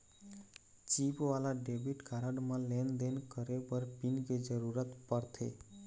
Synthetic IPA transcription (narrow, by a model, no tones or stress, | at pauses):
t͡ʃipʋalaɖebʱiʈkʰaɾəɖmə̃lend̪enkəɾepəɾpinked͡ʒəɾuɾət̪pəɾt̪ʰḛ